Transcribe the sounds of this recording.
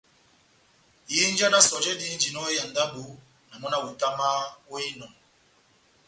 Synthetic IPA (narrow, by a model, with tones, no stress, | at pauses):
ji˦n˦d͡ʒa˦na˦sɔ˨d͡ʒɛ˦di˦nd͡ʒi˨nɔ˦ja˨n̩˨da˦bu˨˦ | na˨mɔ˦na˦wu˨ta˦ma˦wɔ˦i˦nɔ˨n